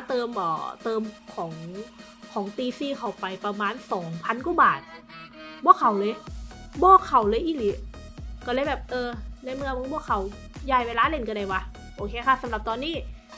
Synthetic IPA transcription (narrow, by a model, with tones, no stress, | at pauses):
t̪ɤː˧mʔɔ̰ː˨˩t̪ɤː˧mkʰɔː˩˦ŋ | kʰɔː˩˦ŋt̪iː˧siː˧˩kʰa˨˩wpa˧jpɾa˧maː˧nsɔː˩˦ŋpʰa˧˥˨nku˧˥˩baː˨˩t̪̚bɔː˧˥˩kʰa˨˦wlɤː˧jbɔː˧˥˩kʰa˨˩wlɤː˧jʔiː˧˩li˨˦ | kɔ˧˩lɤ˧˦jbɛː˨˩p̚ʔɤː˧na˧˩jmɯ˧əmɯ˧˦ŋpʰu˧˩əkʰa˨˩˦w | jaː˧˩jweː˧laː˧˥˨le˧˩nkːda˧˩jwa˧ | ʔoː˧kʰeː˧kʰa˧˥˩sa˨˦mla˨˩p̚t̪ɔː˧nːiː˥˩